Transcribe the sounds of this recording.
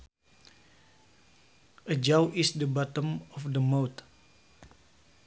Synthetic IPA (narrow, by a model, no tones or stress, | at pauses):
əd͡ʒawʔisdəbɔt̪ə̃mɔfdəmawt̪